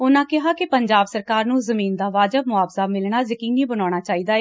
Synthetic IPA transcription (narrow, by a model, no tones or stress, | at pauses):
ʊnãːkɪɦaːkɪpəɲd͡ʒaːbsəɾkaːɾnũːzəmiːnd̪aːʋaːd͡ʒəbmʊaːbsaːmɪlɳaːzəkɪ̃ŋɡnĩːbənaːɽ̃aːt͡ʃaːiːd̪aːɛː